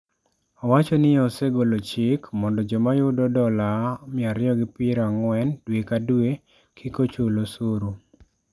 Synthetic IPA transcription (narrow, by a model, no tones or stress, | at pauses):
ɔwat͡ʃɔnɪɔseɡolot͡ʃɪkmɔndɔd͡ʒɔmajʊdɔdɔlamɪaɾɪɔɡɪpɪɾaŋwɛndwekadwe | kʰikot͡ʃolosoɾu